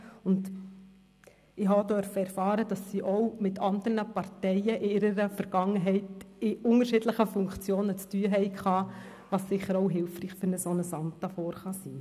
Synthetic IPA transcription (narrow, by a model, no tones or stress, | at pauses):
ʊnd | ɪɦɑdœɾfəɛɾfɑːɾəd̥ɑsːiːʔɔwmɪtʰɑnd̪əɾnəpɑɾtɛɪəʔɪɪɾəɾəfəɾɡ̥ɑŋːəɦɛɪtɪʊŋəɾʃɪdləχəfʊŋkt͡sjoːnət͡styəɦɛɪkχɑː | ʋɑssɪχəɾɔʊɦɪlfriːχfʏɾnəsonəsɑnt̪ɑfɔːɾχɑsiː